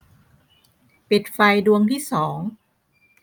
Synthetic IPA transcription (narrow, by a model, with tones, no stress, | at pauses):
pi˨˩t̪̚fa˧jdu˧əŋt̪ʰiː˥˩sɔː˩˦ŋ